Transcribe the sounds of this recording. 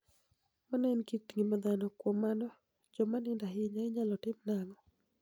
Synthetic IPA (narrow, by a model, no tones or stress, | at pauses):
manɛnkitŋimad̪anɔkwomanɔ | d͡ʒɔmanɪndaɦɪɲaɪɲalɔtɪmnaŋɔ